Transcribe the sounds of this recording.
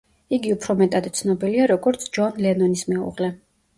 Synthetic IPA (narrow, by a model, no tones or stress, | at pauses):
iɡiupʰɾɔmɛt̪ʼad̪it̪sʰnɔbiliaɾɔɡɔɾt̪sʰd͡ʒanlɛnɔnismɛṵʁlɛ